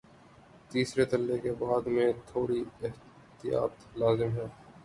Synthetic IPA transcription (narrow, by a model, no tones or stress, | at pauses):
t̪iːsɾet̪ɐlːekebaːd̪mẽt̪ʰoːɾiɪɦ | t̪ɪja̰ːt̪laːzɪmɦɛː